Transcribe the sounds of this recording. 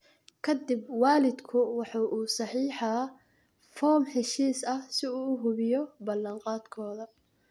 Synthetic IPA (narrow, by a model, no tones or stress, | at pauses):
kʰɐd̪ɪbwɑːlɪd̪kʰʊwɑħɑːʔuːsɑħiːħɑː | fɔːmħɪʃiːsɐsɪuːɦʊβɪjɔbɐlːɐɴqɑːd̪kʰɔːðɐ